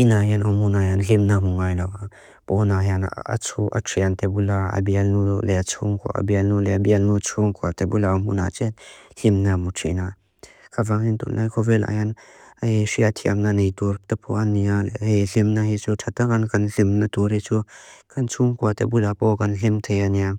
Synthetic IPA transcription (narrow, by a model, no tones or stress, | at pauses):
ʔinaɦjanamunajanɬimnamuŋajlawa | pɔnaɦjana̰t͡sʰuʔa̰tʰiant̪ɛbulaa̰bialnulɛat͡sʰuŋkʰɔ̰ʔa̰bialnulɛbialnut͡sʰuŋkʰuat̪ɛbulaamuna̰t͡ʃɛt̪̚ɬimnamutʰḭna | kʰavaŋint̪ṵlnajkʰɔvɛla̰jan | asiat̪ʰia̰mnanejt̪uɾt̪ɐpʰuʔanialelimnahit͡sutʰat̪akankanɬimnatuɾhit͡sukɐnt͡sʰuŋkuat̪ebulapɔkanlimt̪ʰejania